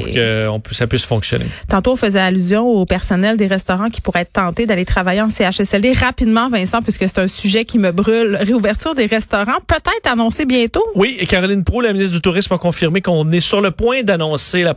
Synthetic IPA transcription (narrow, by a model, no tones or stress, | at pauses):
uʁkə̰ɔ̰̃psapɥɪsfɔ̰̃ksjɔ̰nḛt̪ɑ̃t̪oɔ̃fəzɛalyzjɔ̃opɛʁsɔnɛld̪eʁɛst̪ɔʁɑ̃kʲi̥puʁɛtt̪ːɑ̃t̪ed̪alet̪χavajeɑ̃seaʃɛsɛld̪eʁapid̪mɑ̃vɛ̃sɑ̃pɥiskəse̥t̪œ̃syʒɛkʲiməbʁylʁeuvɛʁt̪yːʁd̪eʁɛst̪ɔʁɑ̃pøt̪ɛɪt̪χanɔ̃sebjɛ̃t̪owikaʁɔlɪnpʁulaminiɪt̪d̪yt̪uʁɪsmakɔ̃fiʁmekɔ̃nɛsyʁləpwɛ̃d̪anɔ̃sela